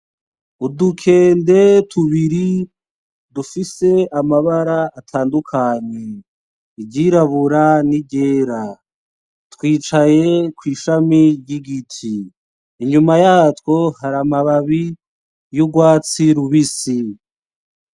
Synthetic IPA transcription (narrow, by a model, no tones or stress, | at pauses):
udukʰe̞ːnde̞tʰuβiɾi | dufise̞amaβaɾaːtʰaːndukʰaɲe | iɟiɾaβuɾaniɟe̞ːɾa | twiːt͡ʃaje̞kwiːʃamiɾɟiɡitʰiː | ɲumajaːtwo̞haɾamaβaβi | juɡwaːt͡siɾuβisi